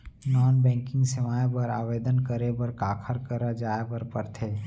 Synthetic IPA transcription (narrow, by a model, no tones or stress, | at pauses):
naːnbɛ̃ːŋkɪ̃ŋɡsemaːebəɾa̰ːʋeːd̪ənkəɾebəɾkaːkʰəɾkəɾad͡ʒaːebəɾpəɾt̪ʰeː